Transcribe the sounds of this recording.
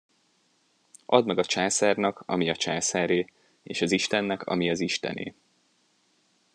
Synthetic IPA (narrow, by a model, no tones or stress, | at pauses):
ʔɒd̪mɛɡɒt͡ʃaːsaːrnɒkʰɒ̰miɒt͡ʃaːsaːɾeː | eːʃɒziʃt̪ɛnːɛkʰɒ̰miɒziʃt̪ɛ̰nḛː